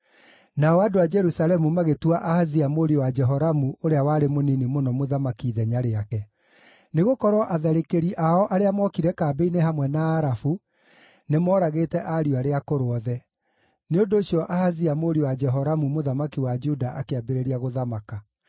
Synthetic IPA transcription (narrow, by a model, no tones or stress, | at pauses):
naɔadoad͡ʒɛɾusalɛmumaɣetuaʔahaziamoɾiwad͡ʒɛɦɔɾamuʔoɾeawaɾemoninimonɔmoðamakiðɛɲaɾeakɛ | neɣokɔɾwɔʔaðaɾekeɾiʔaɔʔaɾeamwɔkiɾɛkaːbeineɦamwɛnaːɾafu | nemɔːɾaɣeːtɛʔaɾiaɾeakoɾoɔðɛ | neondoːɕjɔʔahaziamoɾiwad͡ʒɛɦɔɾamumoðamakiwad͡ʒudaʔakeabeɾeɾiaɣoðamaka